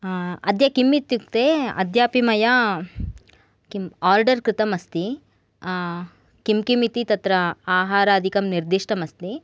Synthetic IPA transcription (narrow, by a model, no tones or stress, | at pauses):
ɐd̪ʱjɐkimːit̪juk̚t̪eːɐ̰d̪ʱjaːpimɐjɐ | kimaːɾɖɐɾkɾɪt̪ɐmɐst̪i | kimkimit̪it̪ɐt̪ɾɐaːɦaːɾɐːd̪ʱikɐmniɾd̪iʂʈɐmɐst̪i